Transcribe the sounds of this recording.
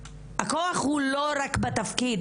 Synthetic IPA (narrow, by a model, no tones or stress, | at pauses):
hakoaχhulo̞ɾakbat̪afkid